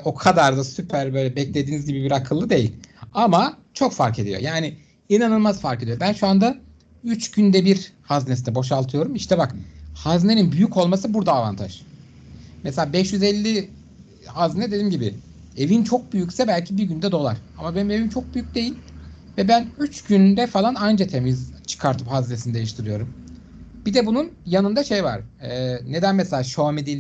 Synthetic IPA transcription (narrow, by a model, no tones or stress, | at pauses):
o̞kʰad̪aɾd̪asypʰæɾbøjlʲɛbɛclʲe̞d̪iːnizɟibibiɾakʰɯlˠːɯd̪e̞jḭlʲamat͡ʃʰo̞kfaɾkʰe̞d̪ijo̞̰jaːnɪ | inanɯlˠmazfaɾke̞d̪ijo̞bænʃuand̪a | yt͡ʃɟynd̪ɛbiɾhaznesinɛbo̞ʃ̬alˠt̪ʰɯjo̞ɾumiʃt̪ʰɛbakhazne̞ninbyjyco̞lˠmasɯbuɾd̪aːva̰nt̪ʰa̰ʒ̥ | mɛselʲaːbɛʃjyzɛlʲːi | haznɛd̪ed̪iːmɟibɪ̰ | evint͡ʃʰo̞k̚byjycsɛbælʲcʰibiɾɟynd̪ɛd̪o̞lˠa̰ɾ̥amabenime̞vint͡ʃʰo̞k̚byjyc̚ʲd̪e̞jilʲ | vɛbænyt͡ʃɟynd̪ɛfalˠanand͡ʒat̪ʰemizt͡ʃʰɯ̥kʰaɾt̪ʰɯphaznesinid̪e̞jiʃt̪ʰiɾɯjo̞ɾum | b̥id̪ɛbununjanɯnd̪aʃejva̰ɾ̥ɛːne̞d̪ænmɛselʲaːʃomed̪elʲ